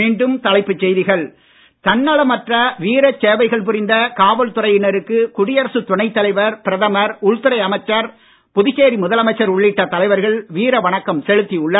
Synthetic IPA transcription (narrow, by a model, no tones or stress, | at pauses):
iːɳɖɯmt̪ɐlɐɪpːɯt͡ʃːɛjðɪɣɐɭ | t̪ɐnːɐɭɐmɐʈrɐʋiːɾɐt͡ʃːeːʋɐɪɣɐɭp̬ʊɾɪnd̪ɐkaːʋɐlt̪ʊrɐɪjɪnɐɾɯkːɯkʊɽɪjɐɾɐsɯt̪ʊɳɐɪt̪ːɐlɐɪʋɐɾpɪɾɐðɐmɐɾʊɭt̪ɯɾɐɪɐmɐɪt͡ʃːɐɾ | pʊðɪɣeːɾimʊðɐlɐmɐɪt͡ʃːɐɾʊɭːɪʈːɐt̪ːɐlɐɪʋɐɾɣɐɭʋiːɾɐʋɐɳɐkːɐmsɛɻɯt̪ːiʊɭːɐ